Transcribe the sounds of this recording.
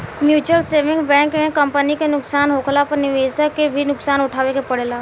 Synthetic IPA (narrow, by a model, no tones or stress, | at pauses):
mjuːt͡ʃwəlseːʋɪ̃ŋɡbɛ̃ːŋkmẽkə̃mpənikenʊksaːnɦoːkʰlapəɾnɪʋeːsəkːebʱinʊksaːnʊʈʰaːʋekepəɽlaː